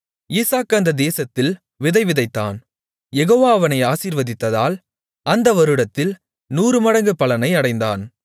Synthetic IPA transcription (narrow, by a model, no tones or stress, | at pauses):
iːsaːkːɐnd̪ɐd̪eːsɐt̪ːɪl | ʋɪðɐɪʋɪðɐɪt̪ːa̰ːn | jɛɣoːʋaːʋɐnɐɪaːsiːɾʋɐðɪt̪ːɐðaːl | ʔɐnd̪ɐʋɐɾɯɽɐt̪ːɪl | nuːɾɯmɐɽɐŋɡɯpːɐɭɐnɐɪɐɽɐɪnd̪aːn